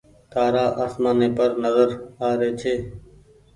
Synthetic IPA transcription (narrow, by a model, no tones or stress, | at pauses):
t̪aːɾaːʔaːsmaːneːpəɾnəzəɾaːɾeːt͡ʃʰeː